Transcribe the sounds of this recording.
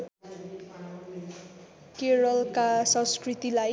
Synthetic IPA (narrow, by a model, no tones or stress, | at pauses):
keɾʌlkasʌ̃skrit̪ila